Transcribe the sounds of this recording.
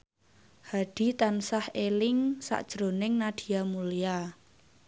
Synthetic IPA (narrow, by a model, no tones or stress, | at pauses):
haɖ̥i̤t̪ansahelɪŋsa̰ʔd̥ʒ̥ɾo̤nɪŋnad̪̥i̤jamulija